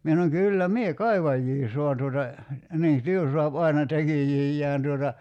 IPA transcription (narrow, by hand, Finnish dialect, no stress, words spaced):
mie sɑnoŋ kylːæ mie kɑiʋɑjːiː soɑn tuotɑ niː tyø soɑp ɑinɑ tekijijːæːn tuotɑ